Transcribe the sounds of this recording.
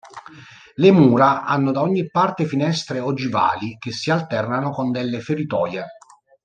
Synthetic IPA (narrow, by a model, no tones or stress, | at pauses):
lemuːɾaʔa̰nːod̪aoɲːipːart̪efinɛst̪ɾeod͡ʒiva̰ːlik̟esːialt̪ɛrnanokond̪elːefeɾit̪ɔːje